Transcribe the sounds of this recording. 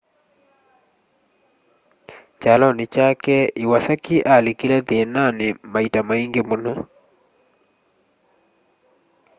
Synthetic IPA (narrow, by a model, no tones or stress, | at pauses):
t͡ʃalɔnɪt͡ʃakɛiwasakiʔalekilɛtenanɪmaitamaiŋɡemono